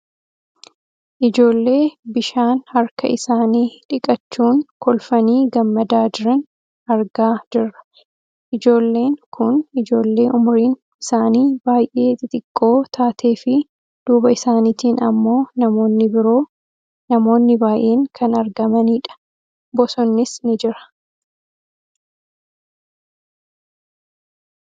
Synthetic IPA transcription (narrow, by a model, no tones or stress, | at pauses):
ʔɪd͡ʒo̞ːlːe̞ːbɪʃaːnhɐɾkɐ̰ʔɪsaːniːᶑɪkʼɐt͡ʃːuːŋkɔlfɐniːɡɐmːɐd̪aːd͡ʒɪɾɛn | ɐɾɡaːd͡ʒɪrːɐ̥ | ʔɪd͡ʒo̞ːlːe̞ːŋkʊnɪd͡ʒo̞ːlːe̞ːʔʊmʊɾiːn | ɪsaːniːbaːjʔe̞ːt̪ɪt̪ʼɪkʼːo̞ːt̪ʰaːt̪ʰe̞ːfɪ | d̪̥uːbɐɪsaːnit̪iːnɐ̰mːo̞ːnɐmo̞ːnːɪbɪɾo̞ː | nɐmo̞ːnːɪbaːjʔe̞ːŋkʰɐnɐɾɡɐmɐniːᶑɐ̥ | bɔsɔnːɪsnɪd͡ʒɪɾɐ̥